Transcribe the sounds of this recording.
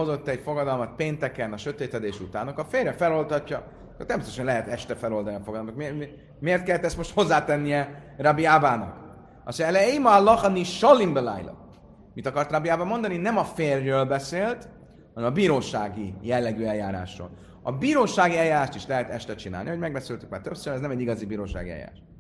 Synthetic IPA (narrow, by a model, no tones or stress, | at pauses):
o̞zo̞t̪ːɛcfo̞ɡɒd̪ɒlmɒt̪̚peːnt̪ɛkɛnɒʃøt̪eːt̪ɛd̪eːʃut̪aːnːɒkɒfeːrːɛfɛlo̞lt̪hɒcːɒ | ko̰t̪ɛmst̪oʃɛnlɛɦɛt̪ɛʃt̪ɛfɛlo̞ld̪ɒnifoɡɒd̪lmnt̪ɔkm | meːrt̪kɛlːɛt̪ɛst̪moʃt̪ho̞zːaːt̪ɛnːijɛ | rabiaːbaːnɒ̰k | ɒ̰sɛlɛimɒlːɒχɒniʃɒlimbɛla̰jlɒ̰ | mit̪ɒkɒrt̪rabiaːbamo̞nd̪ɒninɛmɒfeːrːøːlbɛseːlt̪ | hɒnɛmɒbiːɾoːʃaːɡijɛlːɛɡyɛljaːɾa̰ːʃro̰ːl | ɒ̰biːɾoːʃaːɡiɛljaːɾaːʃt̪iʃlɛɦɛt̪ɛʃt̪ɛt͡ʃina̰lniɦoɟmɛɡ̚bɛseːlt̪y̥kmaːt̪øpsøɾɛznɛmɛɟːiɡɒzibiːɾoːʃa̰ɡiɛ̰ja̰ɾa̰ːʃ